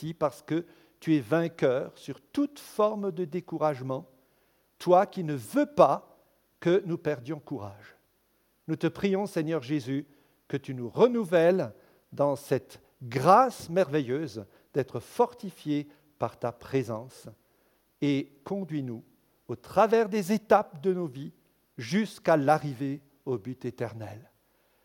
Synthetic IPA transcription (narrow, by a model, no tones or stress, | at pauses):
ipaʁsə̥kə | t̪yɛvɛ̃kʲœʁsyʁt̪ut̪fɔʁmd̪əd̪ekuʁaʒmɑ̃ | t̪wakʲinəvøpa | kənupɛʁd̪jɔ̃kuʁaʒ | nut̪əpχijɔ̃sɛɲœʁʒezy | kət̪ynuʁənuvɛl | d̪ɑ̃sɛt̪ | ɡʁasmɛʁvɛjøz | d̪̥ɛt̪χəfɔʁt̪ifje | paʁt̪apχezɑ̃s | ekɔ̃d̪ɥinu | ot̪χavɛʁd̪ezet̪ap̚d̪ənovi | ʒyskalaʁive | obyt̪et̪ɛʁnɛ̰l